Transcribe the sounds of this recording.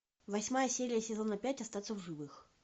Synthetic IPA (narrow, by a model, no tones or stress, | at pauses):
vɐsʲmajəsʲeɾʲɪjəsʲɪzo̞nːɐpʲætʲɐst̪at̪səvʐɨvɨx